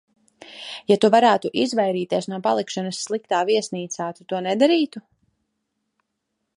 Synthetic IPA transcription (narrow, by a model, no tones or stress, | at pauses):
jat̪uvaɾaːt̪uʔizvajɾiːt̪iɛsnuɔpalˠikʃanɐsːlˠikt̪aːviɛsniːt̪saːt̪ut̪uɔnɛd̪aɾiːt̪u